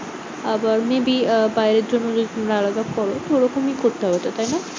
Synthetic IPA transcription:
abəɾmebibajɾeɾd͡ʑʱonːɔd͡ʒod̪imɾaalad̪akɔɾot̪oɾɔkomĩkoɾt̪aɦet̪ot̪ajna

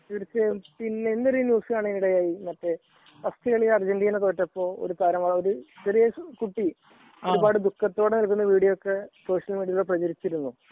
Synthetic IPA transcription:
eɾit͡ɕːepinːenːɐɾinjuːskaːɳɨenːiɽejaːjimɐtːe̞ | pɐst̪ʰiɣɐɭilɐrd͡ʑenɖijɐnɐt̪oːʈːɐpːo̞ːo̰ɾut̪ɐɾɐmʋɐːɭoɾut͡ɕerijɐkuʈːi | oɾubaːɽɨd̪ukːɐt̪ːo̞ːɽenɐlkːunːɐʋiːɽijɐokːeso̞ːʂjɐlmiːɽijɐɭuɽprɐd͡ʑɐɾit͡ɕːiɾunːu

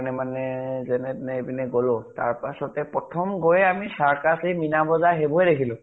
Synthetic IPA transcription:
nɛmanɛzɛnɛnɛbinɛɡolʊ̃ta̰ɹpasɔtɛpɹɔtʰɔmɡojamisaɹkasiminabɔzaɦebɔɛɾekʰilʊ̃

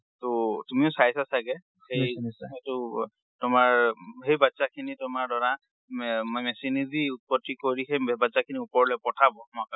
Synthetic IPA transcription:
totumiʊsajsasaɡɛ | xeetʊ | tʊmaɹhejbatːsakʰinitʊmaɹdɔɹa | mɔjmɛsiniziut̚pɔtːikoɹixejbatsakʰiniupɔɹlɛpɔtʰabɔmɔaka

